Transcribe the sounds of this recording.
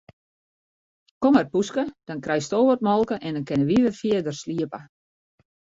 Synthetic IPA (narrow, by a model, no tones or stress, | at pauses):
komərpuskəd̥ɔnkrɛjstoːʋət̚mɔlˠkəʔɛndɔnkɪnəʋiʋəfiədərsliəpə